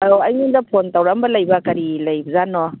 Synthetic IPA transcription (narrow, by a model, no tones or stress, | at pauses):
oɐjmind̪ɐpʰontawɾambɐlɐjbɐkɐɾilɐjbɐzanɔ